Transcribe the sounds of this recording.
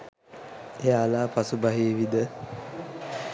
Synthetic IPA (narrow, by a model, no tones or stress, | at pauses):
ejalaːpasubaɦeːʋid̪ə